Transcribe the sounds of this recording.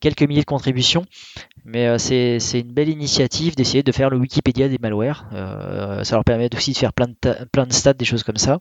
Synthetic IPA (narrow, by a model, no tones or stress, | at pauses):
kʲɛlkəmiljed̪əkɔ̃t̪χibysjɔ̃mɛøsɛsɛynbɛlinisjat̪ʰivd̪esejed̪əfɛʁləwikʲiped̪jad̪emalwɛʁø̰salœʁpɛʁmɛt̪osid̪əfɛʁplɛ̃d̪t̪aplɛ̃d̪əst̪at̪̚d̪eʃozkɔmsa